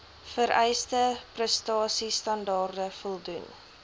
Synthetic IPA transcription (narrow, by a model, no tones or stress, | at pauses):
fəɾɛjstəprəstɑːsistɐndɑːrdəfɔlˠdun